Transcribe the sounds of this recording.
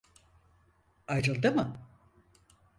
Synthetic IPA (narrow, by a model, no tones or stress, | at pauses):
ajɾɯlˠd̪ɯmɯ